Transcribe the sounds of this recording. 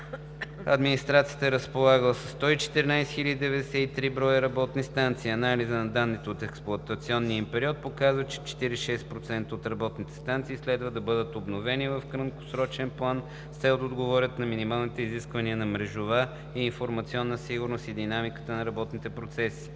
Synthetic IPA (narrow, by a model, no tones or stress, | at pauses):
ɐ̰d̪minist̪ɾat̪sijət̪əɛɾəspolˠaɡəlˠəsə̥sːt̪ɔit͡ʃɛ̥t̪ɛɾinajsxilʲəd̪id̪ɛvɛd̪ɛsɛit̪ɾibɾɔjəɾɐbɔt̪nist̪ant̪siːɐnalizənɐd̪anːit̪oot̪ɛksplˠʊɐt̪ət̪siɔnːiəimpɛɾiɔt̪̚pokazvət͡ʃɛ̥t͡ʃɛ̥t̪iɾiʃɛspɾot̪sɛnt̪əot̪ɾɐbɔt̪nit̪ɛ̥st̪ant̪siːslɛd̪vəd̪ɐbɤd̪ət̪obnovɛnivəfkɾəmko̥sɾɔt͡ʃɛnplˠan | st̪ɛot̪od̪ɡovɔɾʲət̪nɐminimalˠnit̪ɛiziskvɐniənɐmɾɛʒʊva | iːnfoɾmɐt̪siɔnːəsiɡʊɾnost̪id̪inamikə̥t̪ənɐɾɐbɔt̪nit̪ɛpɾot̪sɛsi̥